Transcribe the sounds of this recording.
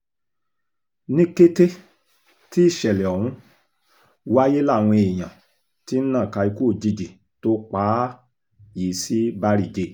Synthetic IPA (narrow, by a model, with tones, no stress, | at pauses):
nĩ˦ke˦te˦ | ti˦i˦˨ʃɛ˨lɛ˨ɔ˨ɾũ˧˦ | wa˦je˦la˦˨w̃ɔ̃˧e˨j̃ã˨ | ti˦n̩˦nã˦˨ka˧i˧ku˦o˦˨d͡ʒi˧d͡ʒi˨ | to˦k͡paː˨˦ | ji˨˦si˦ba˦ɾi˦˨d͡ʒe˦